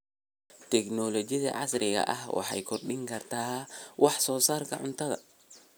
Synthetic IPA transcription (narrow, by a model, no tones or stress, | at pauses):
t̪ʰɛknɔlɔt͡ʃɪðɐ̰ʕɑsrɪɣɐ̰ʔɐhwɑ̰ħɑ̰jkʰɔrɗɪŋkʰɐrt̪ʰaːwʔɑħsɔːsaːrkʰɐʕʊnt̪ʰɐðɐ̰